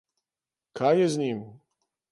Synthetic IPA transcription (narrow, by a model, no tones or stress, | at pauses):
kʰajɛzɲim